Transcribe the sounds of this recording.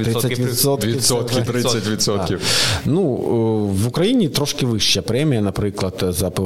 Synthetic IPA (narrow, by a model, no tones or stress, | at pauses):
ɾisəvʲɪsot̪ʲɪsot̪kʲɪt̪ɾɨsətʲvʲɪt̪sot̪kʲɪnu | vʊkɾɐinʲɪt̪ɾoʂkʲɪvɨʂːɪjɐpɾʲɛmʲɪjənɐpɾɨklˠɐt̪zɐpɨ